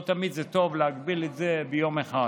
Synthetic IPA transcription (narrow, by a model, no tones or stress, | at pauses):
t̪amid̪zet̪o̞vleaɡbilet̪zebejo̞meχa